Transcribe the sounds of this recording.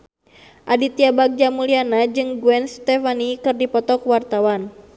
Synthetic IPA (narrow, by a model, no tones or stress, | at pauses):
ʔadit̪iabaɡ̚d͡ʒamulianad͡ʒɨŋɡuɛnst̪ɛfanikɨrdipɔt̪ɔkwart̪awan